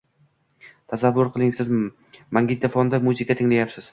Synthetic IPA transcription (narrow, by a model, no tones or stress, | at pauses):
t̪ʰasavːʊɾqʰɨlˠɪŋsɪz | maŋɡʲɪt̪ʰafɒnd̪amuzɪkʰat̪ʰɪŋlajapsɪz̥